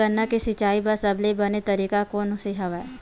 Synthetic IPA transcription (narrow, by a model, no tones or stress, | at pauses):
ɐnːakisɪt͡ʃaːibɐsɐblebɐnet̪ɐɾiːkakoːnʊseɦɐʋa